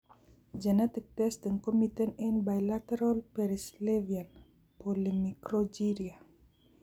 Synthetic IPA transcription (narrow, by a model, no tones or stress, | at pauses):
d͡ʒanat̪ik̚t̪ɛsd̪əŋkomit̪ənɛnbajlat̪ɛɾalpɛɾislɛvian | polimikɾod͡ʒiɾia